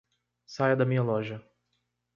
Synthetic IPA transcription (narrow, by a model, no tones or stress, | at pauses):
sajɐd̪ɐmĩɲɐlɔʒɐ